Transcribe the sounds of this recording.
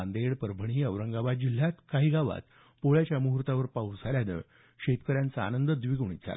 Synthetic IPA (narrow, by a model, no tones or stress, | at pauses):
and̪eɭpəɾbʱəɳ̃iːəʋɾəŋɡaʋad͡ʑil̤ːjat̪kaɦiɡaʋa̰t̪ | poɭjat͡ɕjamuɦɾt̪aʋəɾpaud͡zʱaljanə̰ | ɕet̪kəɾjãnt͡saa̰nənd̪əd̪ʋiɡuɳ̃ḭt̪d͡zʰʱa̰la̰